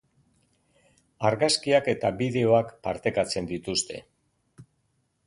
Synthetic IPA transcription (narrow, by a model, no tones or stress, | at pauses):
aɾɣaskiake̞t̪aβiðe̞o̞akpa̰ɾt̪e̞kat͡se̞nd̪it̪ust̪e̞̰